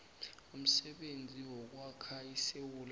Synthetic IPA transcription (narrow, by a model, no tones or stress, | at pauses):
um̩sɛɓend͡zʱiwɔk̬wakʰajisewul